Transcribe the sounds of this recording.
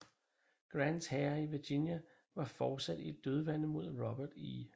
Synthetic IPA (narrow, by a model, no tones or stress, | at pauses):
ɡ̥ʁænd̥shɛɐiʋiɐɡ̥injæ | ʋɑ̈fɒːd̥sæd̥ie̝d̥̚d̥ːøð̞ˠʋænəmo̝ð̞̰ˠʁɒb̥ɐd̥ḭː